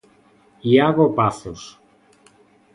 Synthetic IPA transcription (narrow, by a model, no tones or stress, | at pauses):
iaɣopaθos